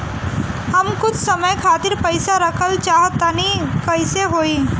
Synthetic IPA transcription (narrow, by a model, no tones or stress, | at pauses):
ɦəmkʊt͡ʃʰsəməjkʰaːt̪ɪɾpəjsaɾəkʰəlt͡ʃaɦt̪ːanikəjseɦoːiː